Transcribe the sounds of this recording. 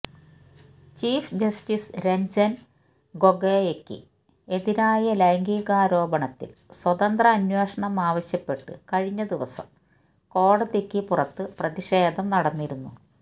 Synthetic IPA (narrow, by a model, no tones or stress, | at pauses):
t͡ɕiːfd͡ʑɐstisɾeɲd͡ʑɐn | ɡo̞ɡeːjekːɨ̰ | e̞ðiɾaːjɐlɐjŋɡiːɣaːɾo̞ːbɐɳɐt̪ːḭlswɐðɐnd̪rɐːnweːʂɐɳɐmaːʋɐɕjɐpːe̞ʈːɨ̰kɐɻiɲːɐd̪iʋɐsɐ̰m | ko̞ːɽɐðikʲːipurɐt̪ːɨprɐðiʂeːd̪ɐmnɐɽɐnːiɾunːu